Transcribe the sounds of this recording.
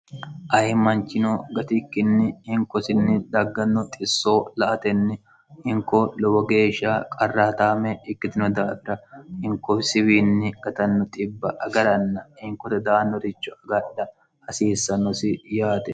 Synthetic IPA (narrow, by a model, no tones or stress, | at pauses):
ʔɐjmɐnt͡ʃːɪnoɡɐt̪ɪkːɪnːɪhɪŋkɔsɪnːɪd̪ɐɡːɐnːɔt̪ʼɪsːo̞ːlɐʔɐt̪ɛnːɪ | hɪŋkɔlɔwɔɡe̞ːʃːaːkʼɐrːaːt̪aːmɛɪkːɪt̪ɪnɔd̪aːdɐhɪŋkɔsɪwiːnːɪɡ̥ɐt̪ɐnːɔt̪ʼɪbːɐʔɐɡɐɾɐnːɐhɪŋkɔt̪ɐd̪aːnːɔɾɪt͡ʃːɔɐɡɐɗɐ | hɐsiːsːɐnːɔsɪjaːt̪ɛ